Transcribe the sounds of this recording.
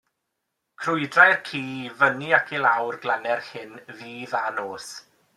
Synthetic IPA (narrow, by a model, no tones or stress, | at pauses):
kʰrʊɨdrajrkʰiːvəniakʰilˠawrɡlˠanɛrhɪnviːðanoːs